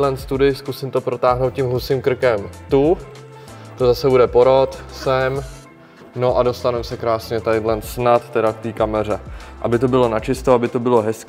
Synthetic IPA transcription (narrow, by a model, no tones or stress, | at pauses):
lɛnt̪st̪udɪskusɪmt̪opɾo̞t̪aːɦnowt̪̚ʲcimɦusiːmkr̩kɛmt̪u | t̪ozasɛbudɛpo̞ɾo̞t̪sɛm | no̞ʔado̞st̪anɛmsɛkɾaːsɲɛt̪ajdlɛnt̪snat̪ːɛɾaft̪iːkamɛr̝ɛʔa̰bɪt̪o̞bɪlo̞nat͡ʃɪst̪oabɪt̪o̞bɪlo̞ɦɛsk